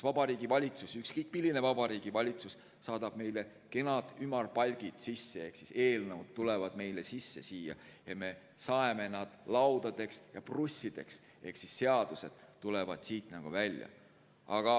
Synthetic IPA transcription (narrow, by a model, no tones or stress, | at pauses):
vɑbɑɾiːɡivɑlʲit̪susykskɤjkːˑmilːine̞vɑbɑɾiːɡ̥ivɑlʲit̪sus | sɑːd̪̥ɑb̥me̞jle̞ | ke̞nɑd̪̥ymɑrpɑlʲɡ̥id̪̥sisːe̞eksise̞ːlnɤwd̪̥̚t̪ːulevɑd̪̥me̞jle̞sisːe̞̰siːjɑ̰jɑme̞ | sɑeme̞nɑd̪̥lɑwd̪̥ɑd̪̥e̞ksjɑprusʲːid̪̥e̞̰ks | e̞hksisːe̞ɑd̪̥use̞d̪̥t̪ːulevɑd̪̥siːt̪nɑɡ̥ṵvælʲjɑ̰ | ɑɡ̥ɑ